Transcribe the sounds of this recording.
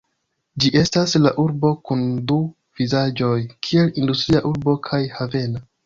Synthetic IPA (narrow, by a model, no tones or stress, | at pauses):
d͡ʒiʔe̞staslaʔuɾbo̞kundu | v̥izad͡ʒo̞jkʰie̞lindustɾiaʔuɾbo̞kʰajhave̞na